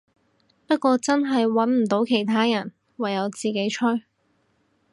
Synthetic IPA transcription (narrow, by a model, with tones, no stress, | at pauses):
pɐ˥t̚kʷɔː˧t͡sɐ˥nɦɐ˨jwɐ˨˥nm̩˨˩t̪o˨˥wkʰe˨˩jt̪ʰaː˥jɐ˨˩n | wɐ˨˩jːɐ˨˧wt͡siː˨ke˨˥jt͡ʃʰɵ˥ɥ